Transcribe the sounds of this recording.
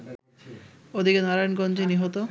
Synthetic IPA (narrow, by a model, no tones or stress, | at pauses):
od̪ʱikenaɾajnɡɔnd͡ʑeniɦot̪o